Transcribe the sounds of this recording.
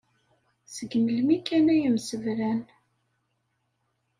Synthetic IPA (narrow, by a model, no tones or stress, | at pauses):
səɡməlmikːænæjəmsəvɾæn